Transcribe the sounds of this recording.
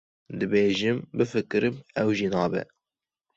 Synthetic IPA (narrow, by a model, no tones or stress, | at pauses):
d̪ɨbeːʒɨmbɨfɨkɨɾɨmɛwʒinɑːbɛ̰